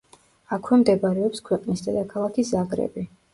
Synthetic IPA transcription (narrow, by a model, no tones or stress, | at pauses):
akʰwɛmd̪ɛbɾɛɔpskʰwɛqʼnisd̪ad̪akʰalˠakʰisaɡɾɛ̰bi